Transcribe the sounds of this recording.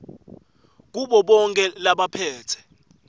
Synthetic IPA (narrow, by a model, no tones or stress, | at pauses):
k̬uɓɔɓɔŋkʼɛlaɓapʰɛːtʰɛ̥